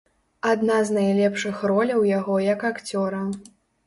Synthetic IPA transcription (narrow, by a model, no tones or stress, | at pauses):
ad̪naznajlʲɛpʂɨxrɔlʲɐwjaɣɔjɐkakt͡sʲɔɾɐ